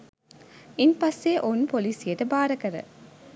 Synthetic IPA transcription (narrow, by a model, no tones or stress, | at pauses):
inpɐsːeʔonpoliːsijɐʈɐbaːɾɐkɐɾɐ̰